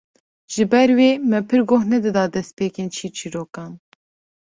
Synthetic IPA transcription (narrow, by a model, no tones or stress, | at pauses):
ʒ̥ɨbɛɾweːmɛpʰɨɾɡohnɛd̪ɨd̪ɑːd̪ɛst̪̚peːkeːnt͡ʃʰiːt͡ʃʰiɾoːkɑːn